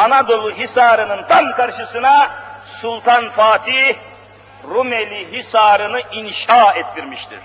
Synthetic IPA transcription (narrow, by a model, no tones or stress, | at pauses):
anad̪o̞lˠuɦisaːɾɯnɯnt̪ʰamkaɾʃɯsɯnasulˠt̪ʰanfaːt̪ʰih | ɾumelʲiɦisaɾɯnɯinʃaɛt̪ʰːiɾmiʃt̪ʰḭɾ̥